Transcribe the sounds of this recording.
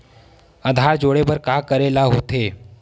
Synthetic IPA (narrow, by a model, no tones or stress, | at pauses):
əd̪ʱad͡ʒoɽebəɾkakəɾelaɦot̪ʰe